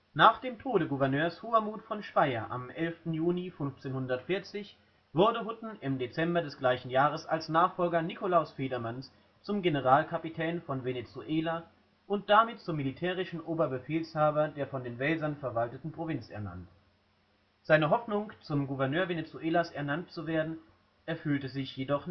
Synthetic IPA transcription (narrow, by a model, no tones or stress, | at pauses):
naːχd̥eːmtʰoːɾəɡuvɛɐnøːɐshoːɐmuːtfɔnʃv̥aɪɐ̰ʔa̰mʔɛlftn̩juːnifʏnft͡seːnhʊndɐtfɪɐt͡sɪç | v̥ʊɐdəɦʊtn̩ɪmdet͡sɛmbɐdɛsɡ̥laɪçn̩jaːʁ̞əsalsnaːχfɔlɡɐnikolaʊsfeːdɐmans | t͡sʊmɡenəʁaːlkʰapitʰɛːnfɔnvenet͡suʔeːla | ʔʊnt̚d̥amɪt̚t͡sʊmːilitʰɛːʁ̞ɪʃn̩ʔoːbɐbəfeːlshaːbɐdeːɐfɔndeːnvɛlzɐnfɛɐvaltətn̩pʁ̥ovɪnt͡sɛ̰ɐna̰nt | z̥aɪnəɦɔfnʊŋt͡sʊmɡuvɛɐnøːɐvenet͡suʔeːlasɛɐnantt͡suveːɐdn̩ | ʔɛɐfyːltəzɪçjedɔχ